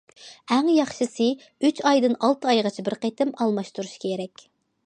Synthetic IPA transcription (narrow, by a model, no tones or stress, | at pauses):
æŋjɑχʃɨsɨ | yt͡ʃɑjd̪ɨnɑlˠt̪ʰɨɑjʁɑt͡ʃʰɛbɪɾqet̪ɪmɑlˠmɑʃt̪uɾuʃkʲʰeɾɛkʲ